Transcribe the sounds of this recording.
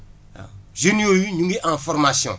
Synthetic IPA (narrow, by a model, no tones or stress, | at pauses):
ʒenijojiɲũɡeʔɛ̃fɔɾmasjɔ̰̃